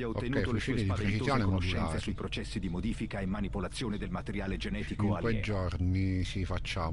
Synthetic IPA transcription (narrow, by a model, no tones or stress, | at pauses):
o̰kːɛjfuʃilːid̪pɾet͡ʃizjɔːnemɔiɛlnaːɾesuipɾot͡ʃɛsːid̪imod̪iːfikaemːanipolat̪sːjoːned̪elmat̪eɾjaːled͡ʒenɛt̪ikoiŋkwejd͡ʒɔrnisifat͡ʃːaː